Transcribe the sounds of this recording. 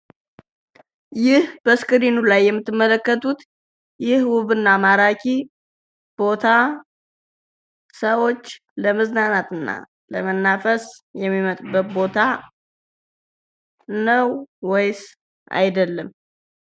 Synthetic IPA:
jɪhb̥əskʼɨɾinulajːɛmːɨt̪ːɨmːələkːət̪ʰut̪ | jɪhwʊβɨnːamaɾakʰi | b̥o̞t̪ʰa | səwo̞t͡ʃː | ləmɨznanat̪ʰɨnːa̰ | lə̰mənːafəsjɛmːimət̪ʼbət̪̚bo̞t̪ʰa | nəwwɔjs | ʔa̰jd̪əlːəm

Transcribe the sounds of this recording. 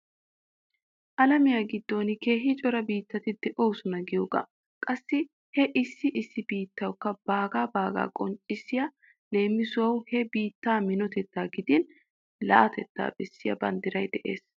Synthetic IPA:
ʔɐlɐmɪjaːɡɪd̪ːo̞ːnke̞ːɦɪt͡ʃʼɔɾɐbiːt̪ːɐt̪ɪd̪ɛʔo̞ːsʊnɐɡɪjoːɡɐ̰ | kʼɐsːɪ | hɛʔɪsːɪʔɪsːɪbiːt̪ːɐwkːɐb̥aːɡaːbaːɡa̰ːkʼɔnt͡ʃʼːɪsːɪja | le̞ːmːɪsʊwɐwhɛbiːt̪ːaːmɪnɔt̪ɛt̪ːaːɡɪd̪ɪn | lɐ̰ʔɐt̪ɛt̪ːa̰ːbɛsːɪjɐ̰bɐ̰nd̪ɪɾɐjd̪ɛʔḛːs

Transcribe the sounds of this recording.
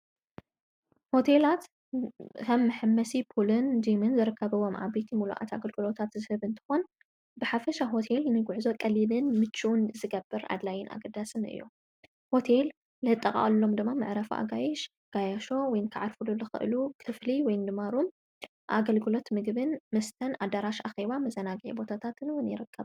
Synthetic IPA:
ho̞t̪ʰelat̪ | kʰɐmːɨħɨmːɐsipʰulɨnd͡ʒimɨnzɨɾɨkːɐβɐwomʕa̰bet̪ʰimulṵʔa̰t̪a̰ɡɐlɡɨlo̞t̪ʰat̪zɨhɐβɨnt̪ʰɨ̥xo̞n | bɨħafɐʃaɦo̞t̪ʰelnɨɡuʕzo̞kʼɐlinɨnmɨt͡ʃːiʔunzɨɡɐbːɨɾa̰d̪lajɪnʔa̰ɡɐd̪asɨnɨ̰jːṵ | ho̞t̪ʰel | lɨɨt̪ʼːɐkʼa̰ʔʼlːo̞md̪ɨmːamɨʕɾɐfuʔa̰ɡajɛʃ | ɡ̥ajaʃo̞wɔjnkʰɨʕaɾfululɨxɨ̰ʔɨlukʰɨfliwɔjnd̪ɨmaɾum | ʔa̰ɡɐlɡɨlo̞t̪mɨɡbɨnmɨst̪ʰɐnʔad̪aɾaʃaxeβamɐzɐnaɡʕḭbo̞t̪ʰat̪ʰat̪ɨnwʊnjɪ̰ɾɨkʰːɐβ

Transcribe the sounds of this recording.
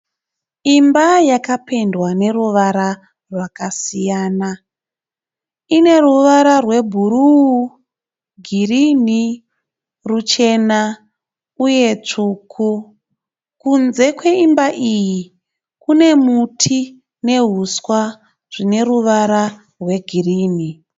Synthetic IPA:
imbajakape̞ndwane̞ruʋaɾa | rwakasijaːna | ine̞ruʋaɾarwe̞bʱuɾuu | ɡʱirini | rut͡ʃe̞na | uje̞t͡ʂukʰu | kunze̞kwe̞imbaʔiji | kune̞mutʰi | ne̞ɦuswa | ʐ̥ine̞ɾuʋaɾa | rwe̞ɡʱiriːni

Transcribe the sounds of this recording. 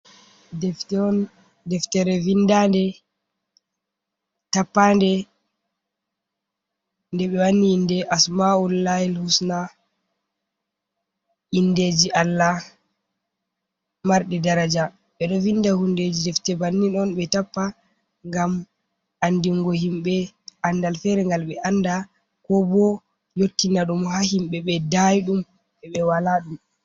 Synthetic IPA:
dɛftɛɔn | dɛftɛɾɛvindandɛ | tapːandɛ | ndɛɓɛwanːiːndɛʔasmaulːajilhusna | indeːd͡ʒiʔalːa | maɾɗɛdaɾad͡ʒa | ɓɛɗɔvindahunded͡ʒidɛftɛbanːinɔnɓɛtapːa | ŋɡam | ʔandiŋɡɔhimɓɛ | ʔandalfɛɾɛŋɡalɓɛʔanda | kɔbɔ | jotːinaɗumhahimɓɛɓɛdajiɗum | ɓɛɓɛwalaɗum

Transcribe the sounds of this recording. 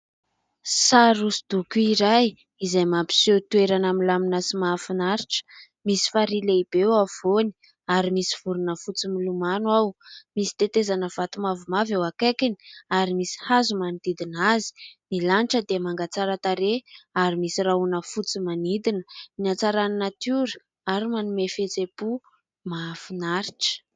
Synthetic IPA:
saɾusid̪̥ukuiɾaj | izajmampi̥set̪ueɾanamilaminasimafinaɾiʈ͡ʂə̥ | misi̥faɾileib̥ewav̥oni̥ | aɾimisiv̥uɾunəfut͡similumanwawmisi̥t̪et̪ezanəvat̪umavumavawakekini̥aɾimisi̥hazumanid̪̥id̪inazi̥milaniʈ͡ʂəd̪emaŋɡat͡saɾət̪aɾeaɾimisiraunəfut͡simanid̪inəminat͡saɾaninat̪uɾə̥ | aɾimanumefet͡sepu | maːfinaɾiʈ͡ʂə̥

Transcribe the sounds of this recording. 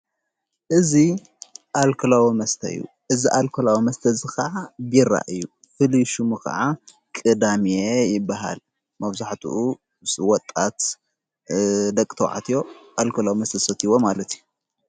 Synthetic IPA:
ʔɨzi | ʔalkʰolawimɐst̪ʰɐ̰ɨ̰jːṵ | ʔɨziʔalkʰɐlawimɐst̪ʰɐzɨxɐʕabiɾa̰ʔɨjːu | fɨliʃumɨkɐ̰ʕa | kʼɨd̪amijejɪbːaɦa̰l | mɐβzaħt̪ʰṵʔu | swɔt̪ʼːat̪ | d̪ɐkʼːt̪ʰɐw̰ʕa̰t̪ʰijo̞ʔalkʰolawimɐst̪ʰɐsɐt̪iwomalɐt̪iju

